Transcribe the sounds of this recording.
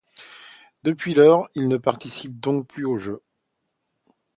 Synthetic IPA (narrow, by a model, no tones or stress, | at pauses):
d̪əpɥilœːʁilnəpaʁt̪isip̚d̪ɔ̃k̚plyoʒø